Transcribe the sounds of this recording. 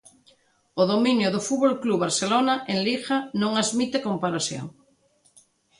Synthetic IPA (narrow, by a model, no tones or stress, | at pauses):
oðominjʊðʊfuβolkluβaɾselonaʔeŋlixanõŋazmit̪ekompaɾasjo̰ŋ